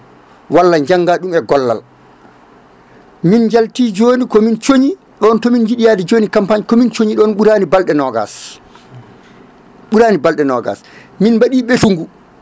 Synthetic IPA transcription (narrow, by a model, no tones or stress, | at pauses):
walːaɲd͡ʒaŋɡaɗumɛɡɔlːa̰l | minɲd͡ʒaltiːd͡ʒoːnikɔmint͡ʃoɲi | ɗɔntɔmind͡ʒiɗijadɛd͡ʒoːnikampaɲkɔmint͡ʃoɲiɗɔnɓuɾaːnibalɗɛnɔɡa̰s | ɓuɾaːnibalɗɛnɔɡa̰s | minbaɗiːɓɛtuŋɡu